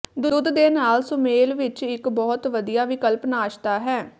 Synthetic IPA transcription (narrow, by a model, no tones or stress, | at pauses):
d̪ʊʊd̪d̪eːnaːlsʊmeːlʋɪt͡ʃɪkbɔːt̪ʋəd̪ijaːʋɪkəlpnaːʃt̪aːɦɛː